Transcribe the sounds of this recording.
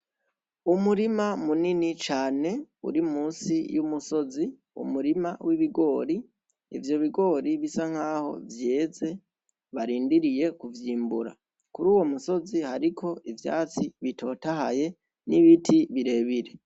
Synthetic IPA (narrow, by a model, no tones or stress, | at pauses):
umuɾimamuninit͡ʃaːne̞ṵɾimuːsijumuso̞zi | ṵmuɾimawiβiɡo̞ːɾi | ivjo̞βiɡo̞ːɾiβisaŋ̥haːho̞̰vjeːze̞ | βaɾiːndiɾije̞kuvjiːmbuɾa̰ | kuɾuːwo̞muso̞zihaɾikʰo̞ivja̰ːt͡siβitʰo̞ːtaha̰je̞ | niβitʰiβiɾe̞ːβiɾe